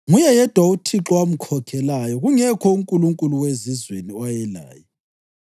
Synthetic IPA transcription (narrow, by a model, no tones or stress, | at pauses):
ŋujɛjɛd̥ʱwautʰiǁɔwam̩kʰɔkʰɛlajɔɣuŋɛkʰɔuŋkʼuluŋkʼuluwezizweniɔjɛla̰ːjɔ